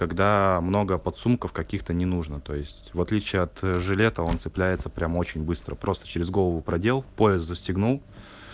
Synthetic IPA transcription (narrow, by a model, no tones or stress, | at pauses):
kɐɡd̪amno̞ɡəpɐt̪sumkəfkɐkʲixt̪ənʲɪnuʐnət̪o̞jɪsʲtʲvɐt̪lʲit͡ɕɪjəɐt̪ʐɨlʲe̞t̪əo̞nt̪sɨplʲæjɪt̪səpɾʲamo̞t͡ɕɪnʲbɨst̪ɾəpɾo̞st̪ə̥t͡ɕɪɾʲɪzɡo̞lˠəvʊpɾɐdʲe̞lˠpo̞ɪst̪zəsʲtʲɪɡnulˠ